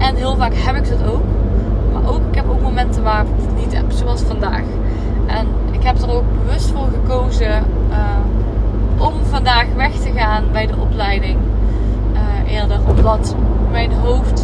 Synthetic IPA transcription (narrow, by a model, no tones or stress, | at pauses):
ʔɛnɦɪːlˠvaːkɦɛpɪk̚dɑtowkma̰ːɹʔowkɪkɦɛpowkmomɛntəʋaːrɪkvnitɛ̰pz̥owɑlˠsfɑnda̰ːx | ʔɛn | ʔɪkɦɛpdərowɡ̚bəʋɵstfʊːɹɣəkowzə | ʔɔmvɑndaːxʋɛxtəɣaːnbɛjdəʔɔplɛjdɪŋ | ʔɪːɹdərɔmdɑt | mɛjnɦowft